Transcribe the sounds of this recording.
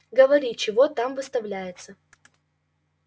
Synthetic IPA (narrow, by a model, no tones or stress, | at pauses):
ɡəvɐɾʲit͡ɕɪvot̪amvɨst̪ɐvlʲæjɪt̪sə